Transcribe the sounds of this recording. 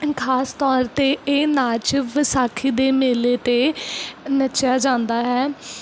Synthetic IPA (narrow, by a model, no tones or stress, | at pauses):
kʰaːst̪ɔːɾt̪eːeːnaːt͡ʃʋəsaːkʰiːd̪eːmeːleːt̪eː | nəʃaːd͡ʒãːnd̪aːɦɛː